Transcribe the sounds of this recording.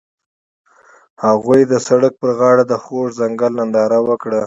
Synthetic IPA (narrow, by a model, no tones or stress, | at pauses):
haɣujd̪əsaɽək̚pəɾɣɑɽad̪əxoʐzaŋɡalnand̪ɑɾawəkɽa